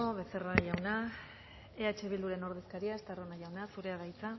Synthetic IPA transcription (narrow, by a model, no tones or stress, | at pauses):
oβe̞se̞raʝawna | eat͡ʃe̞β̞ild̪uɾe̞no̞ɾðe̞skaɾiaest̪aronaʝawnasuɾe̞aðajt͡sa